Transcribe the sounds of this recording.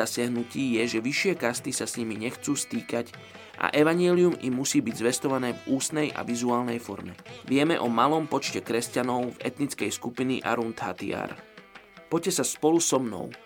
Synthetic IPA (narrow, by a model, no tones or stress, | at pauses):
asɪaɦnuciːjɛʒɛʋiʃɪɛkast̪isasɲimiɲɛxt͡suːst̪iːkac | ʔa̰ʔɛʋaɲɪɛliumimːusiːbiɟzʋɛst̪ɔʋanɛːvuːsnɛjʔa̰ʋizuaːlnɛjfɔɾmɛ̰ʋɪɛmɛʔɔmalɔmpɔt͡ʃcɛkɾɛscanɔʊvɛ̰t̪nit͡skɛjskupinḭʔa̰ɾunt̪ɦa̰t̪ḭa̰ːɾ | pɔcːɛsaspɔlusɔmnɔ̰ʊ